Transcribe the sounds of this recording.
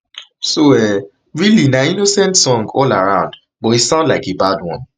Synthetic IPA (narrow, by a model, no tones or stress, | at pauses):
soɛ | ɹilinainosɛ̃ntsɔ̃ŋɡɔlaɹãʊ̃nd | bɔisãʊ̃ndlaɪkebadwɔ̰̃n